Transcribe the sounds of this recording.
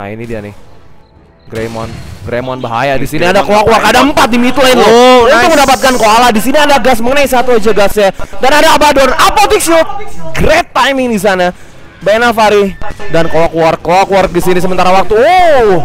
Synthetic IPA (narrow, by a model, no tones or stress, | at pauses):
a̰ḭnidia̰nɪ̰ | ɡɾḛmɔ̰nɡɾemɔnbaɦa̰jadisiniadakoakuarkadaəmpat̪̚dimit̪lainounʊməndapat̪̚kankoalahdisiniadaɡasməŋənais̬at̪uad͡ʒaɡasjadanadaːbadɔnapot̪ikst̪̚ɡɾet̪ːajmɪŋdis̬ana | bajnafaɾidankoakuart̪̚koakuart̪̚ɡisinis̬əmənt̪aɾawak̚t̪uo